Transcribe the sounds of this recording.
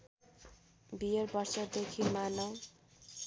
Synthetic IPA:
bijʌrbʌrsʌd̪ekʰimanʌw

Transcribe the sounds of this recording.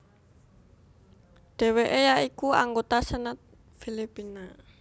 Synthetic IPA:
ɖ̥e̤weʔejaʔikuaŋɡot̪asənət̪̚ | filipina

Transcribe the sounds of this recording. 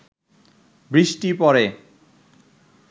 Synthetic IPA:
bɾiʃʈipɔɾe

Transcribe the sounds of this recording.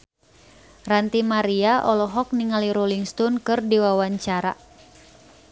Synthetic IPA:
rant̪imaɾiaʔɔlɔɦɔk̚niŋaliɾoliŋst̪ɔnkɨrdiwawaɲt͡ʃaɾa̰

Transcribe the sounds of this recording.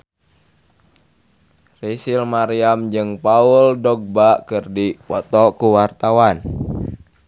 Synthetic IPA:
risilmaɾiamd͡ʒɨŋpauldɔɡ̚bakɨrdipɔt̪ɔkuwart̪awan

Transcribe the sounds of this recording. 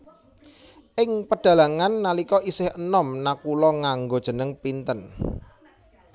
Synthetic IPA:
ʔɪŋpəɖ̥ä̤laŋanːalikɔʔisɪhənɔmnakulɔŋaŋɡod̥ʒ̥ə̤nəŋpint̪ən

